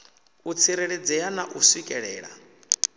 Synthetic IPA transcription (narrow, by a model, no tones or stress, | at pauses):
ut͡sʰiɾeɺed͡zɛanaʔuswikʼɛɺɛːɺa̰